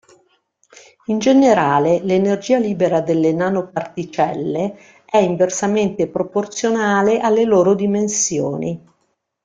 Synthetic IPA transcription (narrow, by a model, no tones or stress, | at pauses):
ind͡ʒeneɾaːlelenerd͡ʒiːaliːbeɾad̪elːenaːnopart̪it͡ʃɛlːe | ɛiɱversament̪epɾoport̪sjonaːleʔalːeloːɾod̪imensjoːni